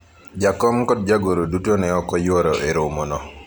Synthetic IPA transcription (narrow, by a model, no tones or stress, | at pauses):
d͡ʒakɔmkɔd̚d͡ʒaɡoɾodutonɛɔkɔjwɔɾɔʔeɾomonɔ